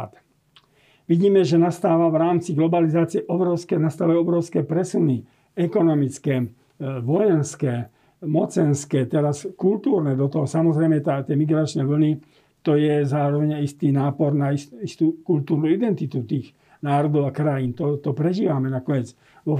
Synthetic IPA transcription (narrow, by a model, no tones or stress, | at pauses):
t̪ | ʋiɟiːmɛʒɛnast̪aːʋaʋɾaːmt͡siɡlɔbalizaːt͡siɛʔɔbɾɔʊskɛnast̪aːʋajuɔbɾɔʊskɛːpɾɛsuni | ɛkɔnɔmit͡skɛ | ʋɔjɛnskɛː | mɔt͡sɛnskɛːt̪ɛɾaskult̪uːɾnɛd̪ɔt̪ɔɦɔsamɔzɾɛjmɛt̪at̪jɛmiɡɾat͡ʃnɛʋl̩ni | t̪ɔjɛzaːɾɔʋɛɲaist̪iːnaːpɔɾnaisist̪ukult̪uːɾnuid̪ɛnt̪it̪ut̪iːx | naːɾɔd̪ɔʊakɾajiːnt̪ɔt̪ɔpɾɛʒiːʋamɛnakɔɲɛd͡z | ʋɔ